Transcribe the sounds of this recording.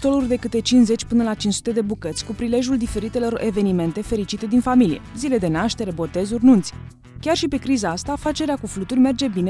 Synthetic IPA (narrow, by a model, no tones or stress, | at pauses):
t̪o̞lurʲd̪e̞kɨt̪e̞t͡ʃinze̞t͡ʃʲpɨnəlat͡ʃinsu̥t̪e̞d̪e̞bukət̪sʲkupɾile̞ʒuld̪ife̞ɾit̪e̞lo̞ɾe̞ve̞nime̞nt̪e̞fe̞ɾit͡ʃit̪e̞d̪infamilije̞̰zile̞d̪e̞naʃt̪e̞ɾe̞bo̞t̪e̞zurʲnunt̪sʲ | kʲarʃipe̞kɾizaast̪afat͡ʃe̞ɾeakuflut̪urʲme̞rd͡ʒe̞bine